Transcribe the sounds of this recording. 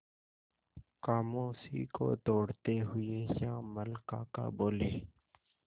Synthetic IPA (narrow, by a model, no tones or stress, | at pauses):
kaːmõːsḭko̰t̪oːɽt̪eɦʊejãːməlkãːka̰boːleː